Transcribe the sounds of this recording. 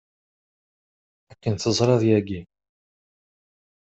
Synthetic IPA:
ækːənθəzˤɾˤɑðˤjæɡi

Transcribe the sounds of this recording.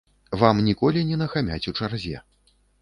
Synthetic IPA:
vamnʲikɔlʲinʲɛnɐxamʲa̰t͡sʲut͡ʂarzʲɛ̰

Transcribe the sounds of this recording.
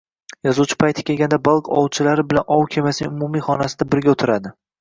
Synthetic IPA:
jɒzuwt͡ʃʰɪ̥pʰajt̪ʰɪ̥kʲʰe̞lɡʲand̪abalˠkʰɒ̰wˠt͡ʃʰɪlaɾɪbɪlanʔɒwkʲʰemasɪnɪŋʊmʊmijχɒnasɪd̪abɪɾɡʲaʊt̪ʰɪɾad̪ɪ

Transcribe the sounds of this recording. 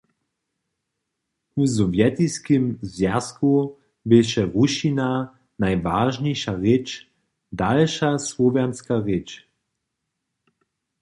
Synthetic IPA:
uzɔvjɛt̪iskimzjasku | bɪʃɛʁuʃina | najvaːʒɲɛjʃaʁɪt͡ʃ | dalʃasvɔvɛnskaʁɪt͡ʃ

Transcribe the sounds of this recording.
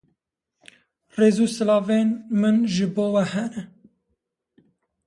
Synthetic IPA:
reːzuːsɨlɑːveːnmɨnʒɨboːwɛhɛnɛ

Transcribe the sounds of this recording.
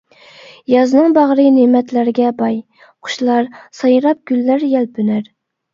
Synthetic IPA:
jɑznɨŋbɑʁɾɨnemɛt̪ʰlæɾɡʲɛbɑj | qʰʊ̥ʃlˠɑɾsɑjɨɾɑp̚ɡ̥ʲylːæɾjɛlbʰynæɾ

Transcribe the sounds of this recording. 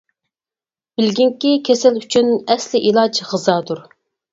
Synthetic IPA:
b̥ɪlɡʲiŋkʲikʲʰesɪlyt͡ʃʰynɛslɪʔilˠɑd͡ʒʁɨzɑːd̪uɾ

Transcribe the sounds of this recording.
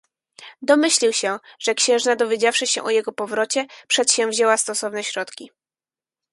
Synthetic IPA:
d̪ɔmɘɕlʲiwɕɛʐ̥ɛkɕɛ̃w̃ʐnad̪ɔvʲjed͡ʑafʂɘɕɛ̰ʔɔjɛɡɔpɔvɾɔt͡ɕɛpʂɛt̪ɕɛ̃wvʑɛwast̪ɔsɔvnɛɕɾɔt̪kʲi

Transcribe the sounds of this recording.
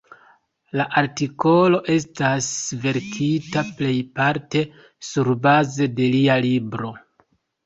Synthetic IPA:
laʔaɾtiko̞lo̞ʔe̞stasve̞ɾkʰitaple̞jpaɾte̞ | suɾbaze̞de̞lialibɾo̞

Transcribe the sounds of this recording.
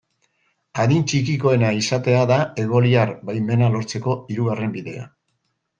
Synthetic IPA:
aðint͡ʃikiko̞e̞naisat̪e̞aðae̞ɣo̞liaɾbajme̞nalo̞ɾt͡se̞ko̞iɾuɣare̞mbiðe̞̰a̰

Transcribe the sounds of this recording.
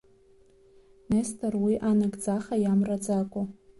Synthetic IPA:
nestʰarwiʔanɨɡd͡zaχajamrad͡zakʷʼo

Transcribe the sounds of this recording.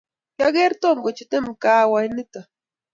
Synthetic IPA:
jaɡeɾt̪oŋɡot͡ʃɪt̪ɪmkaːwajnɪt̪a

